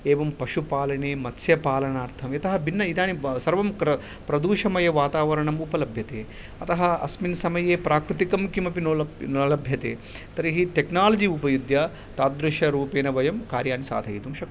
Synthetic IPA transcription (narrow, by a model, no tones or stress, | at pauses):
eːʋɐmpɐʃupaːlɐɳeːmɐt̪sjɐpaːlɐɳaːɾt̪ʰɐmjɐt̪ɐɦɐbʱinːɐid̪aːnisɐɾʋɐmkɾɐ | pɾɐd̪uːʃɐmɐjɐʋaːt̪aːʋɐɾɐɳɐmupɐlɐbʱjɐt̪eː | ɐt̪ɐɦɐɐsminɐsɐmɐjeːpɾaːkɾut̪ikɐmkimɐpinlnlɐbʱjɐt̪ḛːt̪ɐɾiɦiʈeknaːlɐd͡ʒiupɐjud̪jɐ | t̪aːt̪̚d̪ɾuʃɐɾuːpeːnɐʋɐjɐmkaːɾjaːnisa̰ːd̪ʱɐjid̪umʃɐk